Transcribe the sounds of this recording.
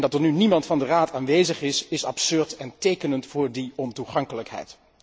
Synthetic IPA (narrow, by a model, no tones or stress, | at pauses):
ndɑtəɹnynimɑntfɑndəraːtʰaːnʋejzəχɪsɪsɑpsɵɹtɛntejkənəntfʊːɹdiɔntuχɑŋkələkɦɛ̰jt